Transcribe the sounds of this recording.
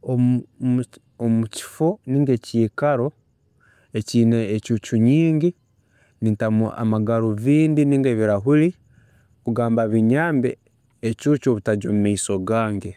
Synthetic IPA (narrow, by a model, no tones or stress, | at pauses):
o | omuci̥foniːŋɡe̞ceːkaɾo̞ | eciːneːcuːt͡ʃuɲiːŋɡi | nintamua̰maɡaɾoβiːndiniːŋɡeβiɾaɦuli | kuɡaːmbaβiɲaːmbḛː | cuːt͡ʃoβutaɟomumaiso̞ɡaːŋɡe